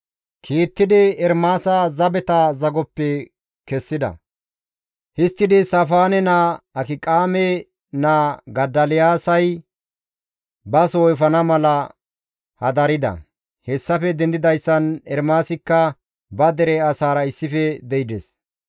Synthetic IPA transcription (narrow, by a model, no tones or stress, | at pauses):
kʰiːt̪ːɪd̪ɪɛɾmaːsɐzɐbɛt̪ɐzɐɡɔpːɛ | kɛsːɪd̪ɐ̰ | hɪst̪ːɪd̪ɪsɐfaːnɛnaɐkɪkʼaːmɛ | naːɡɐd̪ːɐlɪjaːsɐj | bɐsoːjfɐnɐmɐlɐ | hɐd̪ɐɾɪd̪ɐ̰ | hɛsːɐfɛd̪ɛnd̪ɪd̪ɐjsːɐnɛɾmaːsɪkːɐ | bɐd̪ɛɾɛɐsaːɾɐɪsːɪfɛd̪ɛɪd̪ɛs